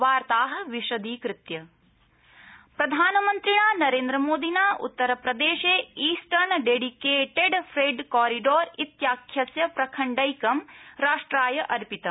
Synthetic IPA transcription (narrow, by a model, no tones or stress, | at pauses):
ʋaːɾt̪aːɦɐ̆ʋiʃɐd̪iːkɾɪt̪jɐ | pɾɐd̪ʱaːnɐmɐnt̪ɾiɳaːnɐɾeːnd̪ɾɐmoːd̪inaːʔṵt̪ːɐɾɐpɾɐd̪eːʃeːiːsʈɐɾɳɖeːɖikeːʈeɖfʰɾeːɖkaːɾiɖoːɾit̪jaːkʰjɐsjɐpɾɐkʰɐɳɖɐjkɐmɾaːʂʈɾaːjɐʔɐɾpit̪ɐ